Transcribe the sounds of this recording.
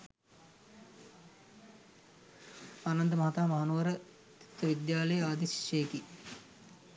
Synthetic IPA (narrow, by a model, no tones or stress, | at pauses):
anɐnd̪əmɐɦat̪aːmɐɦanuʋəɾə | t̪i̥t̪ːəʋid̪jaːləjəaːd̪isi̥ʃeːki